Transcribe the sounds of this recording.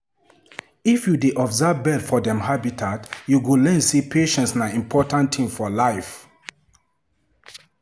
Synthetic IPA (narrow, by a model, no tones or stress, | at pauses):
ifjudeʔɔbzavbɛdfɔdɛ̃mhabitʰatjuɡulɛ̃nsipʰeʃɛ̃ntsnaĩmpʰɔtãntʰĩmfɔlajf